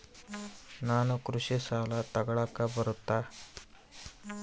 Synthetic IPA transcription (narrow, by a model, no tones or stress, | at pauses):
naːnukɾuʂisaːlɐt̪ɐɡɐɭaːkːɐbɐɾut̪ːaː